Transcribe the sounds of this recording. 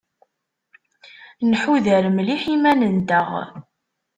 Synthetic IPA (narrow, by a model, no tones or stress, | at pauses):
nħuðəɾmliħimænənd̪əʁ